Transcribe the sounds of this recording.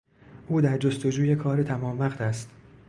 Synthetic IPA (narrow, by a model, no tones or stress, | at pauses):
ʔuːd̪æɾd͡ʒost̪o̞d͡ʒuːje̞kʰɒːɾet̪ʰæmɒːmvæqt̪ʰæst̪